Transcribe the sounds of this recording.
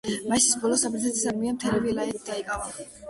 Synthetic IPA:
maʃisbɔlɔsabɾit̪ʰat̪ʰisad̪miamt̪ʰɛlɛbilaɛt̪ʰd̪aikʼava

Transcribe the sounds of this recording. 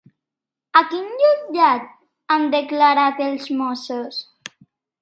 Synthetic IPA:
akinʎuʎat̪̚ | and̪eklaɾat̪elzmɔsos

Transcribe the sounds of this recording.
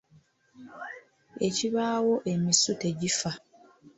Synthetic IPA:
e̞ciβaːwo̞ʔe̞misute̞ɟifa

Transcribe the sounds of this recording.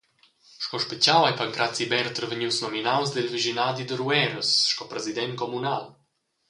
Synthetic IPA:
ʃkɔʃpet͡sawajpaŋkɾat͡sibɛɾt̪əɾvəɲiwsnɔminawsd̪ɛlviʒinad̪id̪əɾuɛɾəsʃkɔpɾɛzid̪ɛnkomunal

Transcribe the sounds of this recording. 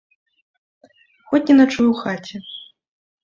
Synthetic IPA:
xɔt͡sʲnʲɛnɐt͡ʂujwxat͡sʲɛ

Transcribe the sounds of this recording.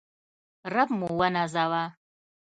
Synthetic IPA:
rabmuwanazawa

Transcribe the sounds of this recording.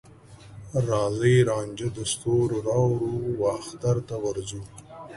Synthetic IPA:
ɾɑːzəjɾɑːnd͡ʒad̪əst̪oɾoɾɑːwɾuwaːxt̪aɾt̪awaɾzu

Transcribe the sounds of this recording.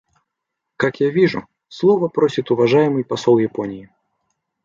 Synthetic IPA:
kakjavʲiʐṵ | slˠɔvɐpɾɔsʲit̪uvaʐajmɨjpasɔlˠjapɔnʲiji

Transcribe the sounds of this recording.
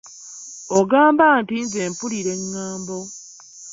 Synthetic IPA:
oɡaːmbaːntinze̞ːmpuliɾe̞ŋːaːmbo̞

